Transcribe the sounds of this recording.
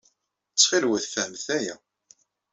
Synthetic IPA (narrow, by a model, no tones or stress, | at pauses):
t͡sːχilwəθfəhmθæjæ